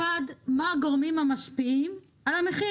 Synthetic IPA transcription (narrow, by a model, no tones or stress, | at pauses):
ad̪maaɡoʁmimhamaʃpiim | alameχi